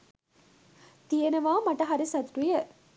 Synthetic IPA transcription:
t̪ijenɐʋaːmɐʈɐɦɐɾisɐt̪ɾujɐ

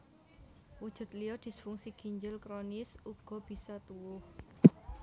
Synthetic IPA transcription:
wud̥ʒ̥ʊ̤t̪lijɔd̪̥i̤sfuŋsiɡ̥i̤ɲd͡ʒəlkɾɔnɪsuɡ̥ɔ̤b̥i̤sɔt̪uwʊh

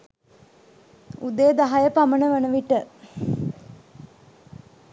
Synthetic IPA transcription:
ud̪ejd̪aɦajəpamənəʋənəʋiʈə

